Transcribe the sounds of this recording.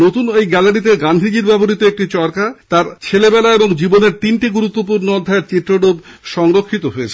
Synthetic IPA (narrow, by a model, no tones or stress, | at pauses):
not̪unejɡɛlaɾit̪̬eɡand̪ʱid͡ʑiɾbɛboɾit̪oek̚ʈit͡ɕɔɾkat̪aɾt͡ɕʰelebɛlaeboŋd͡ʑiboneɾt̪inʈiɡuɾut̪ːopuɾnood̪ʱːaeɾt͡ɕit̪ːɾoɖobʃɔŋɾokʰːit̪oɦoet͡ɕʰe